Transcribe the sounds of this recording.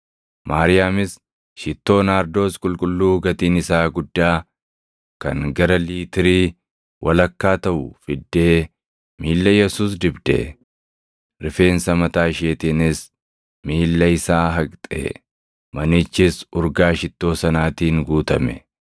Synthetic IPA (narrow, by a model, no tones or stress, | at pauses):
maːɾɪjaːmɪs | ʃɪt̪ːo̞ːnaːɾd̪o̞ːskʼʊlkʼʊlːuːɡɐt̪iːnɪsaːɡʊd̪ːaː | kɐ̰ŋɡɐɾɐliːt̪ɪɾiː | wʔɐlɐkːaːt̪ɐʔʊfɪd̪ːeː | miːlːɐjɛsuːs̬d̪ɪbd̪ɛ̰ | ɾɪfe̞ːnsɐmɐt̪aːɪʃeːt̪iːnɪs | miːlːɐɪsaːɦɐkʼt̪ʼḛ | mɐnɪt͡ʃːɪsʊɾɡaːʃɪt̪ːo̞ːsɐnaːt̪iːŋɡuːt̪ɐmɛ̰